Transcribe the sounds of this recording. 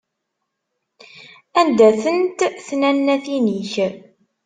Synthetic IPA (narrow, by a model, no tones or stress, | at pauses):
ænd̪æθənt̪θnænːæθiniç